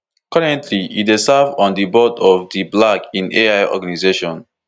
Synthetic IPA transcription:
kaɹɛ̃ntʰliit̚desavɔ̃ndibɔtɔvdiblakĩneaɪɔ̰ɡanizeʃɔ̃n

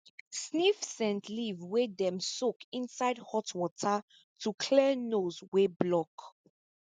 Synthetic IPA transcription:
snifsɛ̃ntʰlivwedɛ̃msokĩnsaɪdhɔtwɔtʰə | tʰukʰlɛnozweblɔk

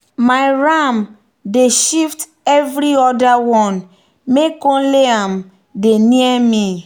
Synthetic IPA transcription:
maɪɹam | deʃift | ɛvɾiɔdawɔ̃n | mekõleãm | deniɛmĩ

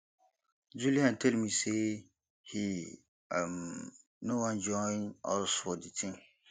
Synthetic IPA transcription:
d͡ʒuliãntʰɛlmĩse | hi | am | nõwãnd͡ʒɔnɔ̰lsʊɔditʰɪ̃

